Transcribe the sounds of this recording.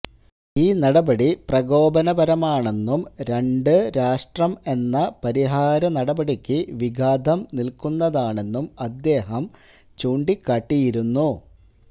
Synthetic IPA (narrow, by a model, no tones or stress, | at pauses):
iːnɐɽɐbɐɽiprɐɡo̞ːbɐnɐbɐɾɐmaːɳe̞nːumɾe̞ɳɖɨɾaːʂʈrɐme̞nːɐpɐɾiɦaːɾɐnɐɽɐbɐɽikʲːɨʋiɡʱaːd̪ʱɐmnilkunːɐðaːɳe̞nːumɐd̪ːe̞ːɦɐm | t͡ɕuːɳɖikːaːʈːijiɾunːu